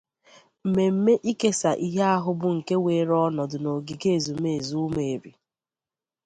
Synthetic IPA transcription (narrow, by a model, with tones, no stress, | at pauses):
m̩˨me˨m̩˦me˦ʔi˦ke˦sa˨ʔi˦ɦe˦a˦ɦʊ˦bʊ˨ŋ̩˨ke˦we˨˦ɾɔ˦nɔ˨dʊ˨no˨ɡi˨ke˦˨zu˨m˦e˦˨e˨zu˦me˨e˨ɾi˨